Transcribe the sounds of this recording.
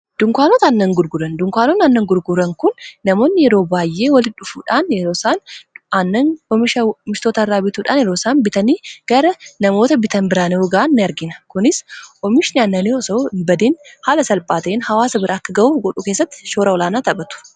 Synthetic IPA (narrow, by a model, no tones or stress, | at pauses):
d̪̥ʊŋkʷaːnɔt̪ɐɐnːɐŋɡʊɾɡʊɾɐnd̪ʊŋkʷaːnɔnɐnːɐŋɡʊɾɡʊɾɐŋkʊnːɐmo̞ːnːɪjɛɾo̞ːbaːjʔːe̞ːwɐlɪᶑʊfṵːᶑaːnjɛɾoːsaːnʔɐnːɐnɔmɪʃɐmɪʃt̪oːt̪ɐɐrːaːbɪt̪uːᶑa̰ːnjɛɾoːsaːnbɪt̪ɐniːɡ̥ɐɾɐnɐmo̞ːt̪ɐbɪt̪ɐnbɪɾaːnɛɔɡɐʔanːɪɐɾɡɪnɐ̥kʊnɪsʔɔmɪʃɪnɪɐnːɐniɔsɐbɐd̪eːnhaːlɐsɐlpʼaːt̪eːnhɐwaːsɐbɪɾʔɐɐkːɐɡɐʔuːɡɔᶑuːke̞ːsːɐt̪ːɪ̥ʃoːɾɐɔlaːnaːt̪ɐbɐt̪ʊ̥